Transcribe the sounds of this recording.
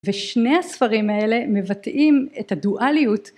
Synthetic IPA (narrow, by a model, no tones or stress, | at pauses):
veʃnejhasfaʁimae̞le̞me̞vatimethaduʔalijut